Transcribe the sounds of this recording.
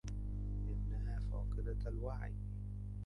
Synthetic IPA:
ʔɪnːæɦæːfɑ̰ːqɨd̪aalwaʕj

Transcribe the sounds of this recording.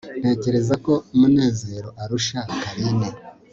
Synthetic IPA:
n̥e̞ːce̞ɾe̞zako̞umune̞ːze̞ɾo̞ʔaɾuʃakaɾine

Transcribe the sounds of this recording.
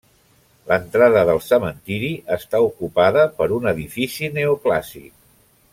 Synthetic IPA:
lənt̪ɾaðəðəlˠsəmənt̪iɾiʔəst̪aukupaðəpəɾunəðifisineuklasḭk

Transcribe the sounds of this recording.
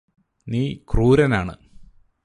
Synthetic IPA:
niːkruːɾɐnaːɳɨ̰

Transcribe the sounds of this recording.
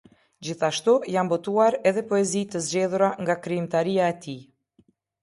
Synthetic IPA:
d͡ʑiθaʃt̪ujanbɔt̪uaɾɛðɛpɔɛzit̪əzd͡ʑɛðuɾaŋɡakɾiimt̪aɾiaɛt̪i

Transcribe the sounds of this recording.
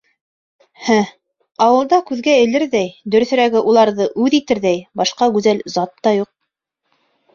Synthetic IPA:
hæ | ɑwɤ̆lˠd̪ɑkʉðɡæɘ̆lɘɾðæjd̪ɵ̆ɾɵ̆θɵ̆ɾæɡɘʔulˠɑɾðɤʔʉðit̪ɘɾðæjbɑʃqɑɡʉzælzɑt̪ːɑjuq̚

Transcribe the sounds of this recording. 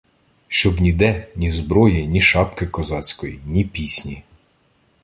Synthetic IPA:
ʃt͡ʃɔbnʲid̪ɛnʲizbɾɔjinʲiʃɑpkɪkɔzɑt͡sʲkɔjḭnʲipʲisʲnʲi

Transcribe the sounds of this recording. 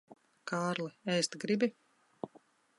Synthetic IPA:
kaːɾlˠɨɛjst̪ɡɾibʲi

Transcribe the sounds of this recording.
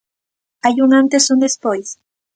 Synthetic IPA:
ajuŋant̪esund̪espojs

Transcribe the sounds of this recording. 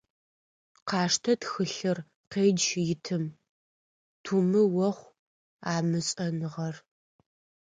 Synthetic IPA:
qɑːʂtʰɐtxɨɬɨr | qeːd͡ʒjɪtʰɨm | tʰuːmɨwɔχʷ | aːmɨɕʼɐnɨʁɐr

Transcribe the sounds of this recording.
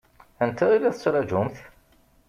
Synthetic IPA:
ənt̪æilæθə̥t͡sːɾˤɑd͡ʒʊmθ

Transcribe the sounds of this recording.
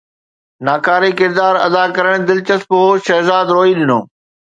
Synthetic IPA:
naːkaːɾikɪɾd̪aːɾɐ̰d̪akɐɾəɽ̃d̪ɪlt͡ɕɐspooʃɛɦzaːd̪ɾoːilɪnoː

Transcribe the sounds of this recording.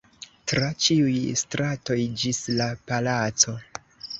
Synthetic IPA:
tɾat͡ʃiujstɾato̞jd͡ʒislapalat͡so̞

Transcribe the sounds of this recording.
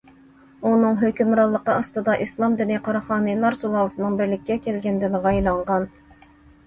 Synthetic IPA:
unɨŋɦøkʲymɾɑlˠːəqəɑst̪ɨd̪ɑʔislˠɑmd̪ynɨqʰɑɾɑχɑːnɨjlˠɑɾsolˠɑːlˠɨsɨnɨŋbɪɾlɪkʲːɛkʲʰɛlɡʲɛnd̪ɪnʁɑjlˠɑɴʁɑn

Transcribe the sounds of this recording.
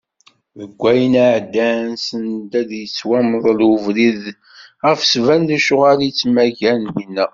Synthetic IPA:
ðəɡʷːæjənaʕd̪ːænsənd̪æðjət͡sːwæməðˤluvlið | ʁəfsvænd̪æʃʊʁalit͡sːmæʝænjinːæ

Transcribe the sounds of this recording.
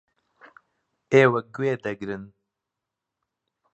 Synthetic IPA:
eːwɛk̚ɡuweːd̪ɛɡɾɨn

